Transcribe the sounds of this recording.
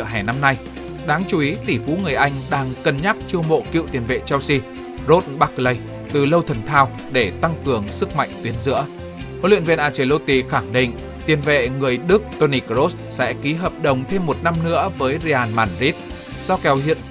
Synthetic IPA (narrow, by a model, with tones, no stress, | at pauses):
ə˧˩ɦaː˧˩na˧mna˧j | ɗaː˨˦ŋt͡ɕu˨˧˦ʔi˨˦t̪i˧˩fu˨˦ŋɨ˨˩əjʔa˧jŋ̟ɗaː˧ŋkə˨˩nɲa˦˥k̚t͡ɕɨ˧əmo̰˧˨kḭ˧˨wt̪i˨˩ənvḛ˧˨t͡ɕɛ˧wsi˧ | zo˦˥t̚ɓa˦˥k̚lə˨˧˩j | t̪ɨ˨˩lə˧wt̪ʰə˨˩nt̪ʰaː˧w | ɗe˧˩t̪a˧ŋkɨ˨˩əŋsɨ˦˥k̚ma̰˧˨jŋ̟t̪wi˨˦ənzɨ̰˧˥ə | ho̰˧˨li˧˨əvi˧nʔaː˧˩t͡ɕe˧˩lo˧t̪i˧˩xaː˧˩ŋɗḭ˧˨ŋ̟ | t̪i˨˩ənvḛ˧˨ŋɨ˨˩əjɗɨ˦˥k̚t̪o˧ni˧˩kɾo˦˥s | sɛ̰˧˥ki˨˦ɦəː˨˩p̚ɗə˨˩wŋ͡mt̪ʰe˧mːo˨˩t̚na˧mnɨ̰˧˥əvəː˨˦jze˧ʔaː˧˩nmaː˨˩nzi˦˥t̚ | za˧wkɛ˨˦whḭ˧˨ən